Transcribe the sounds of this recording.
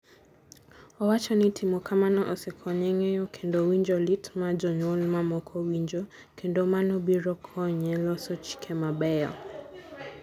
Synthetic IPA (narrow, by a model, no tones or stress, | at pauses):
ɔwat͡ʃɔnitʰimɔkʰamanɔʔɔsɛkʰɔɲɛŋɛɔkʰendɔwiɲd͡ʒɔlitmad͡ʒɔɲɔlmamɔkʰɔwiɲd͡ʒɔ | kʰendomanɔbiɾɔkʰɔɲɛlɔsɔt͡ʃi̥kʰɛmabɛɔ̰